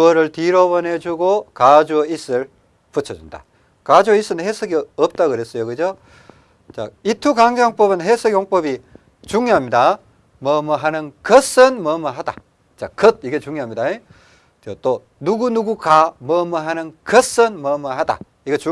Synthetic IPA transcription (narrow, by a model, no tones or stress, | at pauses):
ʌɾɯɭtiɾʌbʌned͡ʑuɡokad͡ʑuʌis͈ɯɭ | put͡ɕʰʌd͡ʑunda̰ | kad͡ʑuis͈ɯnhesʰɯɡeʌp̚t͈aɡɯɾes͈ʌjokɯd͡ʑo | t͡ɕa̰itʰukaŋd͡ʑaŋp͈ʌbɯnɦesʰɯɡjoŋp͈ʌbi | t͡ɕuŋɲjoɦamɲida | mʌmɯɦanɯnkʌs͈ɯnmʌmɯɦada̰ | t͡ɕakʌd̚iɡet͡ɕuŋɲjoɦamɲidae | t͡ɕot͈o | nuɡunuɡukamʌmɯɦanɯnkʌs͈ɯnmʌmɯɦada̰ | iɡet͡ɕu